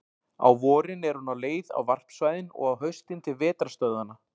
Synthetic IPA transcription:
a̰wvɔːɾɪnɛɾ̥hunawleːjða̰wvar̥psvajðɪnɔ̰ɣawɦœɥst̪ɪnt̪ʰɪlvɛːt̪ɾast̪œɥðana

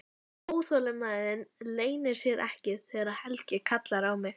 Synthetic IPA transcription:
oːwsolɪmaːðɪnleːjnɪɾ̥sjɛɾʔɛ̰hcɪðθɛːɣaɾaðhɛlcɪkʰat̪laɾawmɪɣ

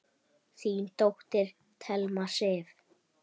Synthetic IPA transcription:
θiːnt̪owht̪ɪɾ̥ | t̪ʰɛlmasɪːv

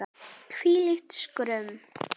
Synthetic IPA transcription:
kʰviːlɪxt̪skɾʏm

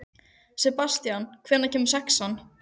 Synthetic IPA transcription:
sɛpast̪jankʰvɛːɾnacʰɛːmʏ̥saksan

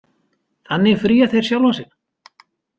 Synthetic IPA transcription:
θanːɪfɾiːaθejɾ̥sjawlvansɪn

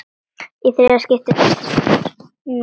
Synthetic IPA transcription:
iθɾɪascʲɪft̪ɪ | n

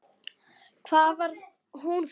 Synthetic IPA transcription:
kʰvaːvaɾ | hunf

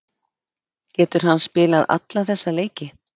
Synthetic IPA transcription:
cɛːt̪ʏɾ̥ɦanːspɪːlaða̰t̪laθɛsːaleːjcɪ

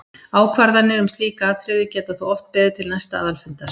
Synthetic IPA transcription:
aːwkʰvaɾðanːɪɾʏmst̪liːkaaːt̪ʰɾɪðɪcɛːt̪aθuɔft̪̚pɛːðɪt̪ʰɪlnajst̪aaːðalfɪnt̪aɾ̥

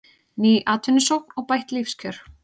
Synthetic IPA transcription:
niːʔaːt̪ʰʏnːɪsowknɔɣpajht̪lifscʰœɾ̥

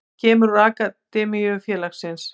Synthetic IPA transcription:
cʰɛːmʏɾraːkat̪ɛːmijʏfjɛːlaxsɪns

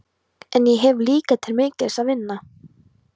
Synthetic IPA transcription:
ɛnjɛɦɛvliːkat̪ʰɪlmeːcɪsaðvɪnːa

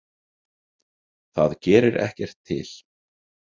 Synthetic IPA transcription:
θaðcɛːɾɪɾʔɛ̰hcɛr̥t̪ʰːɪ̰l̥

